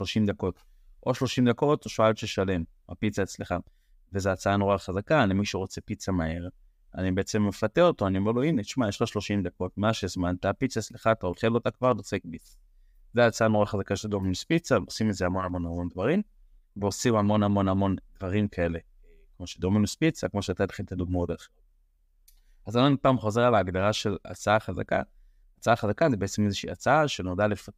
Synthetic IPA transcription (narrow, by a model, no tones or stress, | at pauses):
ʃlo̞ʃimd̪ako̞t | ʔo̞ʃlo̞ʃimd̪ako̞toʃoalʃeʃale̞m | ha̰pit͡saet͡sleχa | vezeat͡saanʁoaχazakanimiʃuʁo̞t͡se̞pit͡samaeʁ | a̰nibeet͡se̞mːefateʁot̪o̞animeʁloinet͡ʃmajeʃχaʃlo̞ʃimd̪ako̞tmaʃezmant̪apit͡saet͡sleχat̪aolχelotakvaʁtot͡sekbit͡sḁ | zeat͡saanoʁaχazakaʃeld̪ominuspit͡saosimezeamo̞namo̞nhamo̞nd̪vaʁim | veosimamo̞nhamo̞namo̞nd̪̥vaʁimkʰae̞le | kmo̞ʃed̪ominuspit͡sakmo̞ʃeat̪at̪e̥χilt̪adoɡmod̪ae | azananipaːmχo̞ze̞ʁalaːɡd̪aʁaʃe̞la̰t͡saaχaza̰ka̰ | at͡saaχazakazebeet͡semezeʃḭːat͡saaʃenodalefa